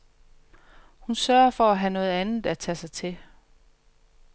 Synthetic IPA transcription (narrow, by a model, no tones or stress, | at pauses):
hunsɶɐɐfɒ̽æɦænɔ̽ːð̞̩ˠænð̩ˠæt͡sʰɛsɑ̈ɪt͡sʰe̝